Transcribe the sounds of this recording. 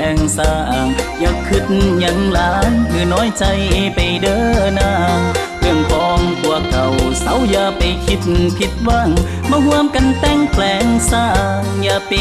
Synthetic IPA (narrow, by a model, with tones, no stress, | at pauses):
ɛː˧˩ŋsaː˧˩ʔa˨˩ŋjaː˧˩kʰːɯ˧t̪̚ɲa˧˥ŋlaː˨˦ŋmɯ˧˩nɔː˨˥jt͡ɕa˧jpa˨˩jdɤː˧˥naː˧˥˩ŋ | kʰɯ˧˩əŋkɔː˧˩ŋbu˧˩ək̚t̪ʰa˨˩wsa˨˥wjaː˧˩pa˨˩jkʰi˧˥t̪̚pʰi˧˥t̪̚waː˧˩ŋ | maː˧˩hu˧əmka˧nt̪ɛ˧˩ŋpʰlɛː˨˧˩ŋsaː˧˥˩ | jaː˧pi˧